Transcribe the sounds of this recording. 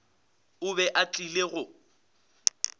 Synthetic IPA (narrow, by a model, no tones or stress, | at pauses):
ʊβɛʔat͡ɬʼileɣʊ